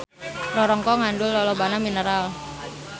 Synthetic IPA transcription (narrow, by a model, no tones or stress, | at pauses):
rɔɾɔŋkɔŋandʊlːɔlɔbanaminəɾal